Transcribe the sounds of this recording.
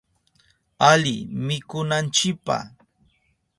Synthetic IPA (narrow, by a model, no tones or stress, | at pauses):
alɪmɪkʊnant͡ʃɪk̚pa̰